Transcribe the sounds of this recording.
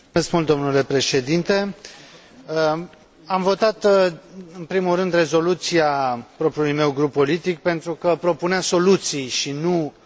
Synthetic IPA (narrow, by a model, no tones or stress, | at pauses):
eskmult̪̚d̪o̞mnule̞pɾe̞ʃe̞d̪int̪e̞ | amvo̞t̪at̪ | ɨnpɾimulrɨnd̪re̞zo̞lut̪siapɾo̞pɾiulujme̞wɡɾupːo̞lit̪ik̚pe̞nt̪ɾukəpɾo̞puneaso̞lut̪sijʃinu